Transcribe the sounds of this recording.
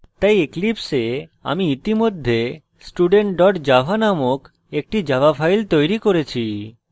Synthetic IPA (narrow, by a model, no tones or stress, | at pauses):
t̪ajeklipsea̰miit̪imod̪ʱːe | sʈuɖeɳʈɖɔʈd͡ʑabʱanamok | ek̚ʈid͡ʑabapʰajlt̪ojɾikoɾet͡ɕʰi